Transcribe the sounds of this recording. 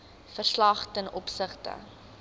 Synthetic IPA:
fərslɐχtənʔɔpsəχtə̰

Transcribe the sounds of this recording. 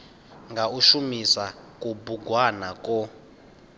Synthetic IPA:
ŋɡauʃumisakʼubuɡwanakʼɔ

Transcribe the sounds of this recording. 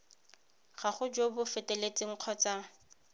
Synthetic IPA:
χaχʊd͡ʒobʊfɛtʼɛlet͡sʼɪŋ̩q͡χʰɔt͡sʼaŋ̩

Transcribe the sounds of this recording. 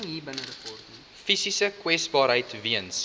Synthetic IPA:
ɦiːbənəɾəpɔrtni | fisisəkwɛsbɑːɾɦəjtviəns

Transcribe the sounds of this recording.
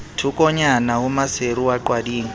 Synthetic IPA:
tʰukʼɔɲanahʊmaseɾuwaǃwadiːŋ̩

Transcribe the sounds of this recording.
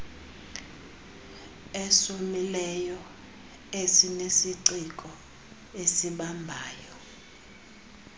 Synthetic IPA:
ɛsomilɛjɔ | esinesiǀikʼɔ | esiɓambʱaːjɔ

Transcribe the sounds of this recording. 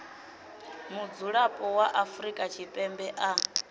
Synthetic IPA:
mud͡zuɺapʼɔwaʔafuɾikʼat͡ʃʰipʼɛmbɛʔa

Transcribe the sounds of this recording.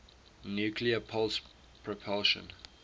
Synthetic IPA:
njuːkʰliəpʰɔls | pʰɹɔpʰɔlʃə̰̃n

